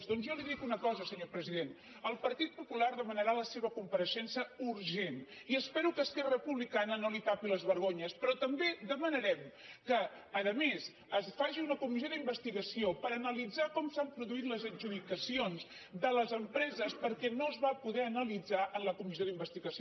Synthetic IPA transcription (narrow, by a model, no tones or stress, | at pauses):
zd̪ɔnzjɔliðikunəkɔzəsəɲopɾəziðen | əlˠpəɾt̪it̪̚pupularðəmənəɾaləseβəkumpəɾəʃɛnsəuɾʒeniəspɛɾukəːskɛrəpuβlikanənolit̪apiləzβəɾɣoɲəspɾɔt̪əmbeðəmənəɾɛmkəː | ðəmez | əsfaʒiunəkumizioðimbəst̪iɣəsiopəɾənəlid͡zakɔmsampɾuðuit̪ləzənʒuðikəsionz | ðələzəmpɾɛzəspəɾkɛnoəzβapuðɛənəlid͡zaʔənləkumizioðimbəst̪iɣəsi